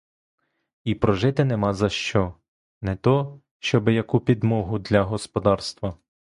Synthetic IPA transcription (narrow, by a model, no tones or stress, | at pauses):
ipɾɔʒɪt̪ɪnɛmɑzɐʃt͡ʃɔ | nɛt̪ɔ | ʃt͡ʃɔbɪjɐkupʲid̪mɔɦʊd̪lʲɐɦɔspɔd̪ɑrst̪ʋɐ